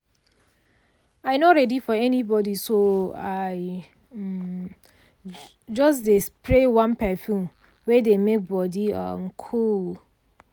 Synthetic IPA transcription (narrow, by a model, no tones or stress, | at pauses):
aɪnoɹɛdifɔɛnibɔdisoaɪ | d͡ʒɔsdespɹewãnpɛfũn | wɛdemek̚bɔdiʌ̰mkʰul